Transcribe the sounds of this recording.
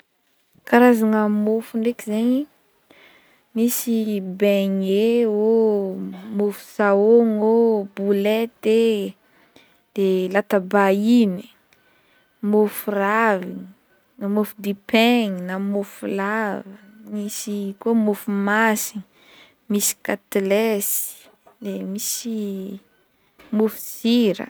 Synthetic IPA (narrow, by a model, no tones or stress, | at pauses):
kaɾazaŋamofuɳɖ͡ʐekizeɲi | misibeɲeo | mofu̥saoŋobulet̪e | d̪̥elat̪abaini̥ | mofuravi | namofud̪ipeŋinamofulavənisikomofumasii | misi̥kat̪elesi̥ | d̪emisi | mufu̥ziɾə̰